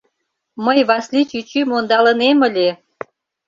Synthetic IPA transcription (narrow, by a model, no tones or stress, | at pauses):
məjβɑslit͡ɕyt͡ɕymond̪ɑlə̆nemə̆lʲe